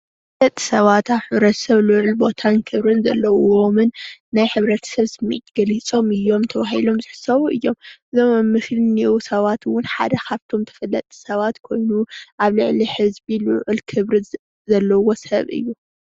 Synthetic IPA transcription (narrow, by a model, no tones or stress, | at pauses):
flːɐt̪ʼːi̥sɐβat̪aβħɨβɾɐt̪ʰɐ̥sɐβlɨʕɨlbo̞t̪ʰankʰɨβɾɨnzɐ̰lːɐwomɨnːajħɨβɾɐt̪ʰɐ̥sɐβsɨmḭt̪ɡ̥ɐlit͡sʼo̞mɨjːo̞mt̪ʰɐβaɦilo̞mzɨħsɐβuʔɨjːo̞mɨzomɨmːɨʃlɨniwusɐβat̪wʊnħa̰d̪ɐkʰaβt̪ʰo̞mt̪ʰɐ̥fɐlːɐt̪ʼi̥sɐβat̪kʰo̞jnuʔaβlɨʕliħɨzbilʊʕɨlkʰɨβɾɨ | zɐlːɐwo̞sɐβɨ̰jːu